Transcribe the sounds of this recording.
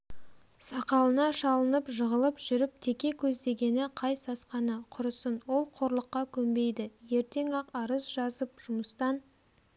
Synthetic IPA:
sɑqɑlˠənɑʃɑlˠənəpʒəʁəlˠəpʒʏɾɪp̚t̪ʰe̞kʲe̞kʲʰɵzd̪e̞ɡʲe̞nɪqʰɑjsɑsqɑnəqʰʊɾəsənwo̞lˠqʰo̞ɾlˠəqːɑkʲʰɵmbe̞jd̪ɪje̞ɾt̪e̞ŋɑqɑɾəsʒɑzəp̚ʒ̥ʊməst̪ɑn

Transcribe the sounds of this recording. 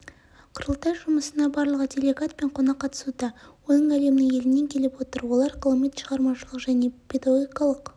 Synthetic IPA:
qʰʊɾəlˠt̪ɑjʒʊməsənɑbɑɾlˠəʁəd̪ʰʲelʲeɡat̪̚pe̞ɴqʰo̞nɑqːɑt̪ə̥sud̪ɑwo̞nəɴæle̞mnɪŋe̞lɪne̞ŋkʲʰe̞lɪpwo̞t̪əɾwo̞lˠɑɾqʰəlˠmet̪ʃəʁɑɾmɑʃəlˠəqʒæne̞pʲʰe̞d̪ɑaɡojkɑlˠəq

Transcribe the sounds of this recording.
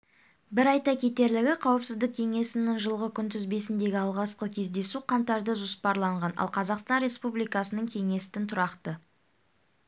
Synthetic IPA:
bɪɾɑjt̪ɑkʲʰet̪e̞ɾlɪɡʲɪqʰɑwəpsɪzd̪ɪk̚ʲkʲʰe̞ŋe̞sɪnɪŋʒəlˠʁəkʲʰʏnt̪ɪzbe̞sɪnd̪e̞ɡʲɪɑlˠʁɑsqəkʲʰe̞zd̪e̞suqʰɑnt̪ɑɾd̪əʒʊspɑɾlˠɑɴʁɑnɑ̰lˠqʰɑzɑqst̪ɑnɾʲe̞spublijkɑsənəɴkʲʰe̞ŋe̞sɪ̥t̪ɪnt̪ʰʊɾɑqt̪ə

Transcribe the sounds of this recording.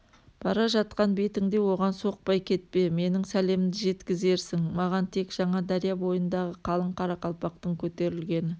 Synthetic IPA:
b̥ɑɾɑʒɑt̪̚qɑnbe̞t̪ɪŋd̪e̞wo̞ʁɑnso̞q̚pɑjkʲʰe̞t̪̚pe̞me̞nɪŋsæle̞mɪmd̪ɪʒe̞t̪kʲɪze̞ɾsɪŋmɑʁɑnt̪ʰe̞kʒ̥ɑɴɑd̪ɑɾijɑbo̞jənd̪ɑʁəqʰɑlˠəɴqʰɑɾɑqɑlˠpɑqt̪əɴkʲʰɵt̪e̞ɾɪlɡʲe̞nɪ

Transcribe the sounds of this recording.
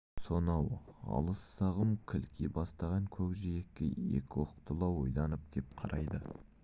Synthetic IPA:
so̞nɑwɑ̰lˠəsːɑʁəmkʲʰɪlkʰʲibɑst̪ɑʁɑŋkʲʰɵbʒejekʲːɪḛkʲɪwoqt̪ʰəlˠɑwo̞jd̪ɑnəp̚d̪̥ʰe̞p̚qʰɑɾɑjd̪ə

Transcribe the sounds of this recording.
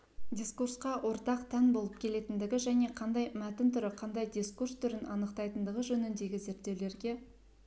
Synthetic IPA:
d̪ʲiskursqɑwʔo̞ɾt̪ɑqt̪ʰænbo̞lˠəp̚kʲʰe̞le̞t̪ɪnd̪ɪɡʲɪʒæne̞qʰɑnd̪ɑjmæt̪ɪnt̪ʰʏɾɪqʰɑnd̪ɑjd̪ʲiskurst̪ʰʏɾɪnʔɑnəqt̪ɑjt̪ənd̪əʁəʒɵnɪnd̪e̞ɡʲɪze̞ɾt̪ːe̞wle̞ɾɡʲe̞

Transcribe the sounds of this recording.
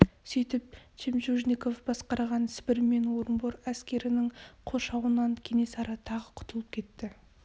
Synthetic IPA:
sijt̪ɪp̚t͡ʃʰemʒuʒnʲiko̞fb̥ɑsqɑɾɑʁɑnsɪ̥bɪɾme̞nwo̞ɾəmboɾæskʲe̞ɾɪnɪŋqʰo̞ʃɑwənɑŋkʲʰe̞ŋe̞sɑɾɑt̪ʰɑʁəqʰʊ̥t̪əlˠəp̚kʲʰe̞t̪ːɪ

